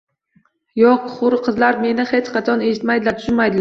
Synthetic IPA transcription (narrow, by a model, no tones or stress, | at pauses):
jɒqχʊɾqʰɨzlaɾme̞nɪhet͡ʃqʰɑt͡ʃʰɒne̞ʃɪt̪majd̪ɪlat̪ʰʊ̥ʃɪnmajd̪ɪla